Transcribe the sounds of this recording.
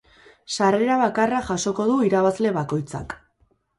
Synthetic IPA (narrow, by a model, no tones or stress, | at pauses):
sare̞ɾaβ̞akaraʝaso̞ko̞ðuiɾaβazle̞βako̞jt͡sa̰k